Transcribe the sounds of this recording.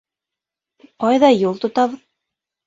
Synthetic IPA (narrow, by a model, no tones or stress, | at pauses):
qɑjðɑjulˠt̪ŏt̪ɑβɤð